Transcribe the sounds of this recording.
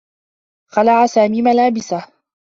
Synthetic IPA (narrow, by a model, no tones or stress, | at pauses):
xalaʕasaːmiːmalaːbɪsah